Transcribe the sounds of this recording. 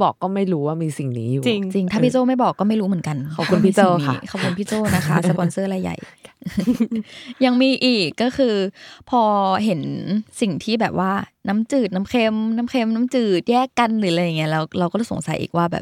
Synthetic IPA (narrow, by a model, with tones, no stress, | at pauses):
bɔː˨˩kːɔː˥˩ma˥˩jɾuː˦˥waː˥˩miː˧si˨˩ŋnḭː˦juː˨t͡ɕi˧ŋt͡ɕi˧ŋt̪ʰaː˥˩pʰiː˥˩t͡ɕoː˥˩ma˥˩jbɔː˨˩kːɔː˥˩ma˥˩jɾu˦mɯ˩˦ə˦ŋka˧nkʰa˨˦kʰu˧npʰiː˧˩t͡ɕoː˥˩niː˦kʰa˨˩˦kʰu˧npʰiː˥˩t͡ɕoː˥˩na˦˥kʰa˦˥sa˧˩pɔ˧nsɤː˥˩la˧jːa̰˨˩j | ja˧ŋmiː˧ʔiː˨˩kːɔː˥˩kʰɯː˧pʰɔː˧ɦe˩˦nsi˨˩ŋt̪ʰiː˥˩bɛː˨˩p̚waː˥˩na˦˥mt͡ɕɯː˨˩t̪̚na˦˥mkʰe˧mna˦˥mkʰe˧mna˦˥mt͡ɕɯː˨˩t̪̚jɛː˥˩kːa˧nɾɯː˩˦la˧ja˨˩ŋːi˦˥ɐ˧lɛː˦˥wla˧wkɔː˥˩so̰˨˩˦ŋsa̰˨˩˦jʔḭː˨˩k̚waː˥˩bɛ̰ː˨˩p̚